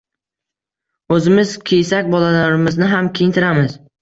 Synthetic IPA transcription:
ɵzɪmɪzkʲʰejsakʲbɒlalaɾɪmɪznɪɦamkʲʰejɪnt̪ʰɪɾamɪz

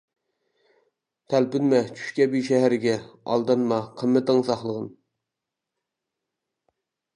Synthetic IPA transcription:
t̪ʰælpɪnmɛt͡ʃʰy̥ʃkʲɛbiʃɛɦæɾɪɡʲɛɑ̰lˠd̪ɑnmɑqʰəmːɛt̪ɪŋsɑχlˠəʁən

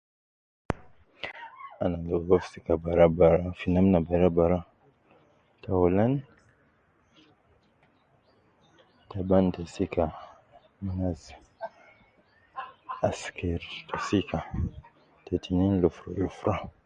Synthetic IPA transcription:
anaɡoɡofsikabaɾabaɾafinamnabaɾabaɾa | tawolan | tabantasika | minaz | askʰeɾtʰasika | tetʰininlufɾalufɾa

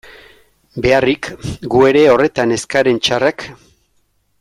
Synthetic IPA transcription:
be̞arikɡue̞ɾe̞o̞re̞t̪ane̞skaɾe̞nt͡ʃarak

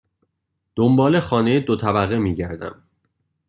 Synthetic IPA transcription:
d̪̥ombɒːle̞xɒːnejed̪ot̪ʰæbæɣemiːɟæɾd̪æ̰m

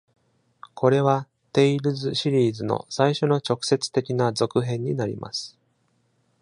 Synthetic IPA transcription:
kʰo̞ɾe̞βa | t̪e̞iɾɯ̟zɨɕiɾʲiːzɨno̞̰saiɕo̞no̞t͡ɕo̞kɯ̟̥se̞t͡sɨ̥t̪e̞kʲinazo̞kɯ̟ɦẽ̞ɲ̟ːinaɾʲḭma̰sɨ̥

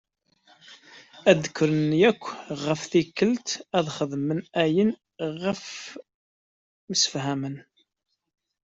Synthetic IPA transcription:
æd̪əkːɾənjækʷːʁəfθikːəlt̪æðχəðmənæjən | ʁəf | məsə̥fɦæmən

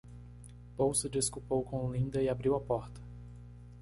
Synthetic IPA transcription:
powsɪd͡ʒiskupowkõlĩnd̪ɐɪabɾiwapɔɾt̪ɐ̥

